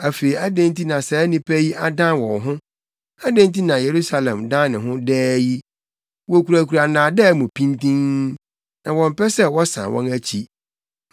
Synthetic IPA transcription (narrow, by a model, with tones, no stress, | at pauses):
æ˨fe˨i˨a˦dæ̃˦nti˦nã˨sɛ˨˦nɪ̃˦pʰæ˦ji˦ʔa˦dã˦nwɔ̃˨nɦʊ̃˦ | a˦dæ̃˦nti˦nã˨je˨ɾu˦sa˦lɛ̃˨mdã˦nɪ̃˨ɦʊ̃˦dɛː˦ji˦ | wɔ˨kʰu˨ɾæ˨kʰu˨ɾa˨nãː˨dɛ˦mʊ̃˨pʰĩ˦ntĩ˦ŋ | nã˨wɔ̃˨m˨pɛ˦sɛ˦wɔ˦sã̰˨wɔ̰̃˦næ˦t͡ɕʰi˦